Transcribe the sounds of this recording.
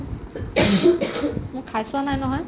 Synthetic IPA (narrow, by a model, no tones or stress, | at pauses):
mʊkʰːajsʊanajnɔɦɔj